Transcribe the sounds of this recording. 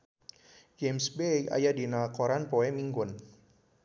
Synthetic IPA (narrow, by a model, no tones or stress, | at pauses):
d͡ʒemsbeja̰jadinakɔɾanpoɛmiŋɡʊn